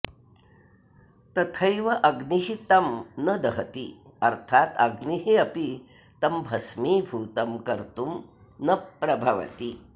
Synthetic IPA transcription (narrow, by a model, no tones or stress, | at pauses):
t̪ɐt̪ʰɐjʋɐʔɐɡniɦit̪ɐmnɐd̪ɐɦɐt̪iɐɾt̪ʰaːt̪ɐɡniɦiɐpi | t̪ɐmbʱɐsmiːbʱuːt̪ɐmkɐɾt̪um | nɐpɾɐbʱɐʋɐ̰t̪i